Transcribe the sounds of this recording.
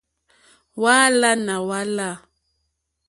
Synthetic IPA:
wa˦la˦na˨wa˦la˦˨

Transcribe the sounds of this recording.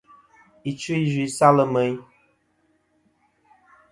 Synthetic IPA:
i˨t͡ʃu˦i˦zi˨˦sa˦lə˨mə˨˦j

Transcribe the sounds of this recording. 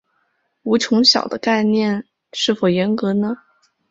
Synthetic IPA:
u˧˥t͡ɕʰʊ˧˥ŋɕjɑ˨˩ʊd̪ə˦ka˥˧ɪnjɛ˥˧n | ʂɻ̩˥˩fo˨˩ʊjɛ˧˥nkɤ˧˥nə˧

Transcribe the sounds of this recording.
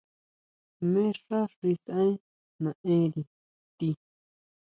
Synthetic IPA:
mẽ˦ʂa˦ʂi˧sã˦ĩ˦ | nã˨ʔẽ˦ɾi˨ | t̪i˧

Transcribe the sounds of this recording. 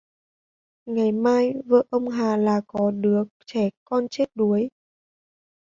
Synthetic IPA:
ŋa˨˩jmaː˧jvə̰ː˧˩ʔə˧wŋ͡mɦaː˨˩laː˨˩kɔ˨˦ɗɨ˨˦ək̚t͡ɕɛ˧˩kɔ˧nt͡ɕe˦˥t̚ɗu˨˦əj

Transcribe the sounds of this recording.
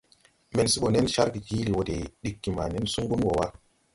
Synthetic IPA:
me˨nsi˦ɓo˨ne˦nʃa˦ɾɡi˨ɡi˦li˨wo˨de˨ɗi˨kːi˨ma˨ne˦nsu˦ŋɡu˦nwo˨wa˦

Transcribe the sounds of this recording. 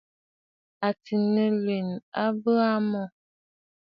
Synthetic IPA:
a˨ti˨nə˨le˨na˦bə˦a˦mɔ˦˨

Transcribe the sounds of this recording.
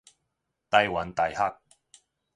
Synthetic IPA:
t̪ɐ˧jwɐ˨˥nt̪ɐ˨jha˦˥k̚

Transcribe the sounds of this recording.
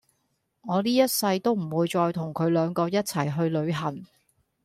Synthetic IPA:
ŋɔː˨˧liː˥jɐ˥t̚sɐ˧jt̪o˥wm̩˨˩wuː˨˧jt͡sɔː˧jt̪ʰʊ˨˩ŋkʰɵ˨˧ɥlœː˨˧ŋkɔː˧jɐ˥t̚t͡sʰɐ˨˩jɦɵ˧ɥlɵ˨˧ɥɦɐ˨˩ŋ

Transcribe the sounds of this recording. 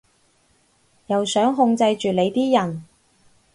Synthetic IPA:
jɐ˨˩wsœː˨˥ŋɦʊ˧ŋt͡sɐ˧jt͡ʃyː˨le˨˧jt̪iː˥jɐ˨˩n

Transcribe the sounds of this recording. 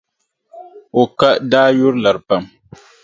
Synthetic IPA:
o˨ka˦daː˦jʊ˦ɾla˨ɾpa˦m

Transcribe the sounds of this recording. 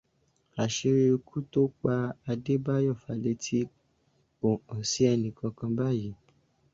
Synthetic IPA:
a˨ʃe˧ɾe˧o˧kʰu˦to˦k͡pa˧a˧de˦ba˦jɔ˦˨fa˧le˧˦tʰi˦ | k͡po˨ɔ̃˨si˨˦ɛ˧nĩ˨kã˧kã˧ba˦˨ji˨˦

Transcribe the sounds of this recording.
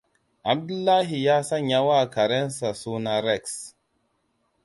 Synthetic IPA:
ʔa˨b̚du˦lːa˦ɦi˨ja˦sa˦ɲ˦ja˦wa˦˨ka˨ɾe˦nsa˨su˦na˦ɾɛ˦˨ks

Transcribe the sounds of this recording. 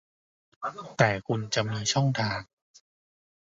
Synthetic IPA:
t̪ɛː˨˩kʰu˧nt͡ɕa˧mnuː˧ənt͡ɕʰɔ˥˩ŋt̪ʰaː˧ŋ

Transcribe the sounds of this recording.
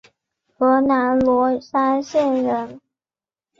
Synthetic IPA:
xɤ˧˥na˧˥nlwɔ˧˥sa˥nɕjɛ˥˩nɻə˧˥n

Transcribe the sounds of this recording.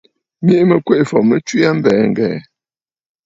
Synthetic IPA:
mi˦ʔmə˨kwe˦ʔfɔ˨mə˦t͡ʃwi˦a˦m̩˦bɛː˨ŋ̩˨ɡɛ̰ː˨

